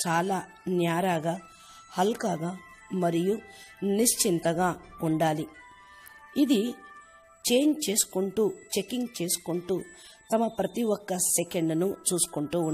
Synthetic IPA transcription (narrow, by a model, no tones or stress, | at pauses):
t͡ʃaːlaː | njaːɾaːɡaː | hɐlkaːɡaː | mɐɾijuniʂt͡ʃint̪ɐɡaːuɳɖaːli | id̪i | t͡ʃeːjnt͡ʃe̞ːsu̥kuɳʈuːt͡ʃe̞kːiŋɡt͡ʃe̞ːsu̥kuɳʈuː | t̪ɐmɐpɾɐt̪iwɔkːɐsekeɳɖnut͡ʃuːsu̥kuɳʈuːɳ